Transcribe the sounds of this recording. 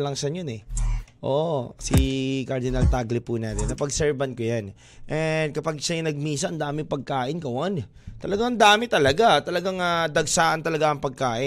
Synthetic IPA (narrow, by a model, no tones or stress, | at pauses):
lɐŋsɐnjonɛʔo̰ːʔsikɐɾd̪ɪnalt̪aɡlɪpʊnaːt̪ɛnːɐpɐɡsɛɹbɐnkojan | ʔɛnd̪̚kɐpaɡ̚ʃɐjʊnɐɡ̚miːsɐʔɐnd̪aːmɪŋpɐɡ̚kaːʔɪnkɐwon | t̪ɐlɐɡaŋɐnd̪aːmɪt̪ɐlɐɡat̪ɐlɐɡaŋad̪ɐɡsaːʔɐnt̪ɐlɐɡaʔɐŋpɐɡ̚kaːʔɪ